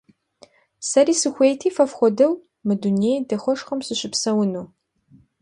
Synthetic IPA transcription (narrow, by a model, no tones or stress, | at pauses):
sɐriːsɨxʷeːjtʰiːfɐfχʷɔdɐw | mɨdunejdɐχʷɔʂχɐmsɨɕɪpsɐwʊnuː